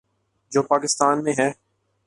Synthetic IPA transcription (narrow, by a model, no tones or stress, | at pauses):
d͡ʒoːpaːkɪst̪aːnmẽɦɛː